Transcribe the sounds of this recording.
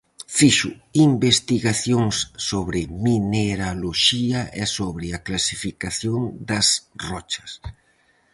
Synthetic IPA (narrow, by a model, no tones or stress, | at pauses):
fiʃʊimbest̪iɣaθjoŋsːoβɾɪmineɾaloʃiɐʔɛsoβɾɪaklasifikaθjoŋd̪ɐsrɔt͡ʃɐ̥s